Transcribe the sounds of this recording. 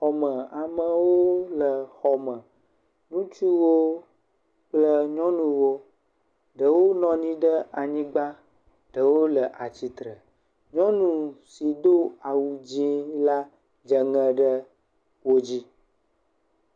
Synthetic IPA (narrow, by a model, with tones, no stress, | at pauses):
xɔ˨mə̃˨a˨mə̃˨wo˦lə˨xɔ˨mə̃˨ | nũ˦t͡ʃu˦wo˦ | k͡plə˦ɲɔ̃˦nũ˨wo˦ | ɖə˨wo˦nɔ̃˦ɲĩ˦ɖə˦a˨ɲĩ˦ɡ͡ba˦ | ɖ̥ə˨wo˦lə˨ʔa˨t͡ɕi˨t̪ɾə˨ | ɲɔ̃˦nũ˨si˨d̪o˦a˨wu˨d͡ʑĩ˦la˦ | d͡ʒə˨ŋə̃˨ɖə˦ | wo˦d͡ʑi˦